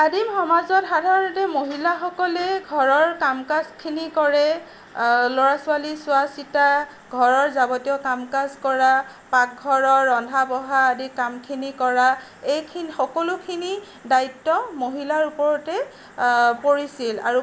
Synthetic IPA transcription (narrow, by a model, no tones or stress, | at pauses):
adimxɔmazɔtxadʱaɹɔntɛmoɦilaxɔkɔlɛɡʱɔɹɔɹkamkaskʰinikɔɹɛ | lɔɹasʊalisʊasita | ɡʱɔɹɔɹzabɔtijɔkamkaskɔɹa | pak̚ɡʱɔɹɔɹɔndʱabɔɦaːdikamkʰinikɔɹa | ejkʰinxɔkɔlʊkʰini | daitːɔmoɦilaɹupɔɹɔtɛ | poɹisila̰ɹu